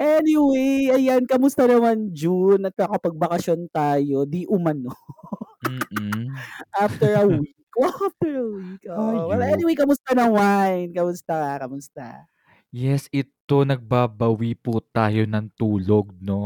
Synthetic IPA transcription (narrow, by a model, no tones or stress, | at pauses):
ʔɛnɪwejʔɐjankɐmʊst̪ɐnɐmand͡ʒunɐt̪̚nɐkɐpɐɡ̚bɐkɐsjont̪aːjo̞d̪iʔʊmɐno | m̩ː | ʔaft̪ɛɹɐwikːaft̪ɛɹɐwikopɛlɐʔɛniwejkɐmʊst̪ɐnɐŋwajnkɐmʊst̪akɐkɐmʊst̪a̰ | jɛsʔɪt̪o̞nɐɡ̚baːbɐwiput̪aːjo̞nɐŋt̪uːlo̞ɡ̚no̞